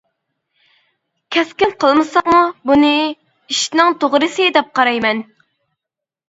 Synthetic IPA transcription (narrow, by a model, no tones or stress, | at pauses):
kʲʰɛskʲɪnqʰəlˠmɨsɑqmubunɨ | iʃnɪŋt̪ʰoʁɾɨsɨd̪ɛp̚qɑɾɑjmɛn